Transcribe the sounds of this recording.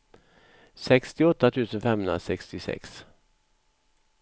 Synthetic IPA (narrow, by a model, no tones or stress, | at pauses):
sɛkst̪ɪɔt̪ːat̪ʰʉ̟ːsənfɛmhɵnɾasɛkst̪ɪsɛ̰ks